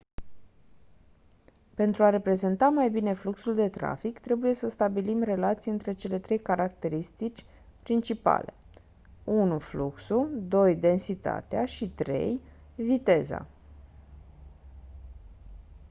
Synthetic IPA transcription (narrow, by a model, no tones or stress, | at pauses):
pe̞nt̪ɾuaɾe̞pɾe̞ze̞nt̪amajbine̞fluksuld̪e̞t̪ɾa̰fikt̪ɾe̞buje̞səst̪abilimre̞lat̪siɨnt̪ɾe̞t͡ʃe̞le̞t̪ɾe̞jkaɾak̚t̪e̞ɾist̪it͡ʃʲ | pɾint͡ʃipa̰le̞ | unufluksud̪o̞jd̪e̞nsit̪a̰t̪ea̰ʃit̪ɾe̞̰j | vit̪e̞za̰